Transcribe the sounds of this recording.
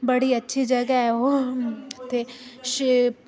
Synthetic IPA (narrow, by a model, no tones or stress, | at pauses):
bɐɽiɐtːʃʰid͡ʒɐɡaɛo | t̪eʃi